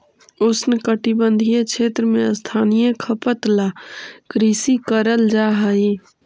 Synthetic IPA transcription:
ʊsnkəʈibə̃nd̪ʱijet͡ʃʰeːt̪ɾəmẽəst̪ʰaːnijəkʰəpət̪lakɾisikəɾəld͡ʒaɦəi

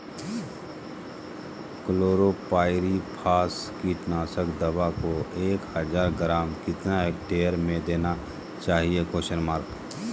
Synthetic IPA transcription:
kloːɾopaːɪɾipʰaːskiʈnaːsəkd̪ɐbakoeːkhəd͡ʒaːɾɡɾaːmkɪt̪naekʈeːəɾmẽd̪eːna | t͡ʃaːɦiekoːʃəɾmaːɾk

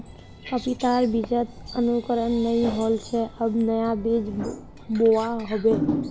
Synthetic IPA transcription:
kəpit̪aɾbid͡ʒət̪ənukəɾənːəĩɦolt͡ʃʰeʔəbnəjabid͡ʒ | boʋaɦobe

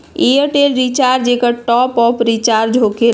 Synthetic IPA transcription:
ejəɾʈelɾit͡ʃaɾd͡ʒekəʈɔpɔpɾit͡ʃaɾd͡ʒʱoke

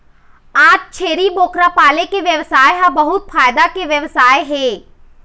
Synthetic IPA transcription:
aːt͡ʃt͡ʃʰeːɾiboːkɾapaːlekeʋjɐʋsaːjɦãbɐɦʊt̪̚faːjd̪akeʋjɐʋsaːjɦɛ̃ː

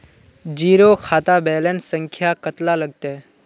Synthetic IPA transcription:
d͡ʒiːɾokʰaːt̪abɛːlensə̃ŋkʰjakət̪laləɡ̚t̪e

